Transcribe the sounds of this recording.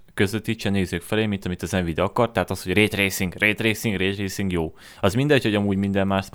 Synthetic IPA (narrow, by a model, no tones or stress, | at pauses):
køzøt̪ːiʃɛneːzøːkfɛleːmint̪ɒmit̪ɒzɛɱvid̪ɒkɒrt̪ɛɦat̪ɒsho̞ɟreːt̪reːsiŋɡrʔeːt̪reːsiŋɡreːt̪reːsiŋɡjoː | ɒzmind̪ɛɟhoɟɒmuːɟmind̪ɛmːaːʃt̪